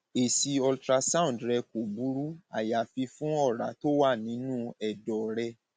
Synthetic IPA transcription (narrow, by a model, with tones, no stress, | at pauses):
e˨si˧ɔ˧ltɾa˧sã˦ũ˨dɾɛ˧ko˨bu˨˦ɾu˦a̰˨ja˨fi˧fũ˦ɔ˦˨ɾa˨˦to˦wa˦˨nĩ˨˦nũː˦ɛ˦˨dɔ˨ɾɛ˧